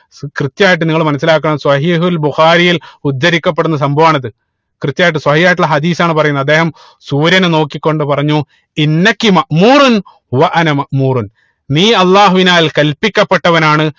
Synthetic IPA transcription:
krɨt̪jaːjʈ̬ːɨniŋːɐɭmɐnɐsːilaːk̬ːɐɳɐmswɐɦiːɦulbuxaːɾijilud̪ːɐɾikʲːɐp̬ːe̞ɽunːɐs̬ɐmbʱɐʋaːɳɐðɨ | krɨt̪jaːjʈːɨswɐhijaːjiʈ̬ːuɭɐɦɐd̪iːsaːɳɨp̬ɐrɐjunːɐd̪ːe̞ːɦɐm | suːɾjɐneno̞ːkːikʲːo̞ɳɖɨpɐrɐɲːu | inːɐkːimɐʔmuːɾun | uʋɐʔɐnɐmɐʔmuːrun | niːɐlˠːaːɦuʋinaːlkɐlpikʲːɐpːe̞ʈːɐʋɐnaːɳɨ

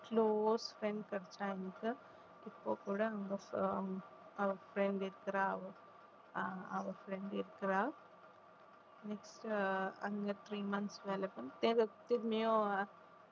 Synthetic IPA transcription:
kloːsfɾeɳɖkɐɾt͡ʃaːjɐnikɐ | ipːoːkuːɽaɐŋɡɐ | ɐʋɐɾfʰɾeɳɖiɾkɐɾaːʋ | ɐʋɐɾfɾeɳɖiɾkɐɾaː | neksʈɐ̰ŋɡɐt̪ʰɾiːmɐnsʋelɐpɐnt̪eɾɐt̪imejo

